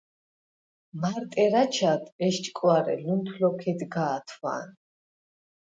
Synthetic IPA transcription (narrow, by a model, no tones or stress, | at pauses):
maɾt̪ʼɛɾat͡ʃʰat̪ʰʼɛʃt͡ʃʼkʼwaɾɛ̰lunt̪ʰlɔkʰɛd̪ɡaːt̪ʰwa̰n